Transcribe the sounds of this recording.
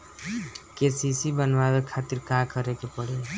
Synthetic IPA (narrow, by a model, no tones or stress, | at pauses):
kesisibənwabekʰat̪iɾkakʌɾekepəɽe